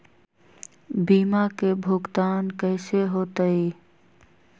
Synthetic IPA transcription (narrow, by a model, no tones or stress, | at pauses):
biːmakebʱʊɡt̪aːnkəɪseɦoːt̪əi